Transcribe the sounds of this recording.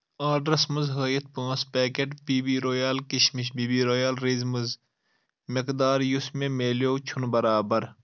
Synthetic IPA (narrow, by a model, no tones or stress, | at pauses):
aːɖɾɐsmɐzɦəːjɐt̪̚ʰpõːspeːkeʈpiːbiːɾoːjaːlkiʃmiʃbiːbiːɾoːjaːlɾizmɨz | mɪkd̪aːɾjusmẽmeːljoːt͡ʃʰunbɐɾaːbɐɾ